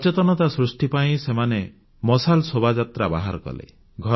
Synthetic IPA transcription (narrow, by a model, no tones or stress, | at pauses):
t͡ʃet̪ɔnɔt̪asɾusʈipaĩsemane | mɔsalsobʱad͡ʒat̪ɾaba̰ɦaɾɔkɔ̰lḛ | ɡʱɔ